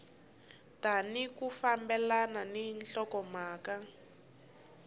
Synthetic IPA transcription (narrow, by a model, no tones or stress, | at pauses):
tanikufambɛlananɛnɬɔkɔmaːka